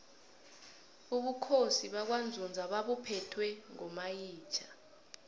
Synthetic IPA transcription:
uɓukʰosiɓak̬wand͡zʱund͡zʱaɓaɓupʰɛtʰwɛŋɔmajiːt͡ʃʰḁ

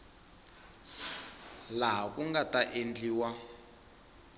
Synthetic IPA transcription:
laɦakuŋɡataʔend͡ɮiːwa

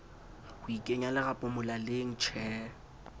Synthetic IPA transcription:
hʊikʼeɲalɪɣapʼʊmʊlalɪŋ̩t͡ʃʰɛː

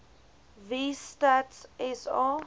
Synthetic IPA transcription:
vistatsɛsa

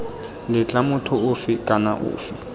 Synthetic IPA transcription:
lɪt͡ɬʼamʊtʰʊʊfɪkʼana̰ʔʊ̰ːfɪ

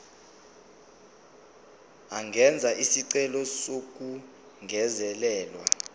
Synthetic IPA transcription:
aŋɡʱɛnd͡zʱaʔisiǀɛlɔsok̬ʼu | ŋɡʱɛzɛlɛːlwa̰

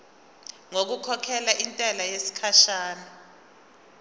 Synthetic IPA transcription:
ŋok̬ukʰɔkʰɛlaʔintʼɛlajesi̥kʰaʃaːnɔ

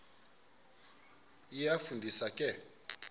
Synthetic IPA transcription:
ijafundʱisakʼɛ

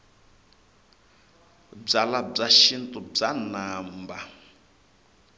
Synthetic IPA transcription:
b͡ʐalab͡ʐaʃintʼub͡ʐanaːmba

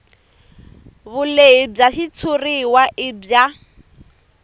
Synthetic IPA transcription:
βʊleɪb͡ʐaʃit͡sʰʊriwaʔɪbja

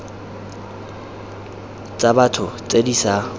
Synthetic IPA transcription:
t͡sʼabatʰʊt͡sʼedisa

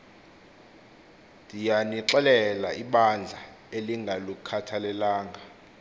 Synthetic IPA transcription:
dʱijaniǁɛlɛlaiɓand͡ɮʱa | eliŋɡʱalokukʰatʰalɛlaːŋʱa

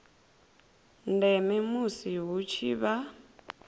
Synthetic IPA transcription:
ndɛmɛmusiɦut͡ʃʰiːβa

